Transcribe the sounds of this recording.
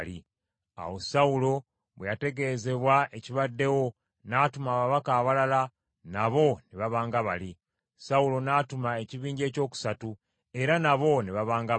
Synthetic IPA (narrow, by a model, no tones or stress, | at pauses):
i | a̰wo̞saulo̞ | βwejate̞ɡe̞ze̞βwae̞ciβadːe̞wo̞ | natumaːβaβakaːβalala | naβo̞niβaβaːŋɡaβali | saulo̞naːtumae̞ciβiːɲɟe̞ːco̞ːku̥satu | e̞ɾanaβo̞niβaβaːŋɡa